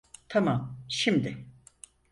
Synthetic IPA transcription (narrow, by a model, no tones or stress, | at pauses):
t̪ʰamamʃimd̪ɪ